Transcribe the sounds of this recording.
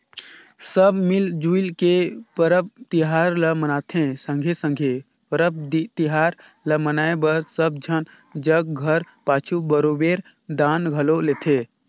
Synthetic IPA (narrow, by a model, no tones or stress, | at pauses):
səbmild͡ʒuilkepəɾəp̚t̪iɦaɾləmənat̪ʰẽsə̃ŋɡʱesə̃ŋɡʱe | pəɾəb̚d̪it̪iɦaɾ | ləmənaebəɾsəb̚d͡ʒʱənd͡ʒəɡ̚ɡʱəɾ | pat͡ʃʰubəɾobeɾ | d̪anɡʱəlolet̪ʰẽ